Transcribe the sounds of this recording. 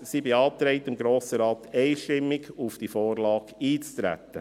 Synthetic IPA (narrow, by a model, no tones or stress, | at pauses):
sibeɑːt̪ɾɛɪtɪmɡɾoːsəɾɑːtɛɪʃtɪmːɪɡufd̥ifoːɾlɑːɡiːt͡stɾæ̰t̪ːə